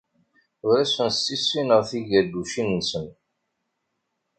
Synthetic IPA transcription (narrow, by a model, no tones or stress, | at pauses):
ʊɾæsənsːisːinəʁθiʝæd̪ːuʃinnsən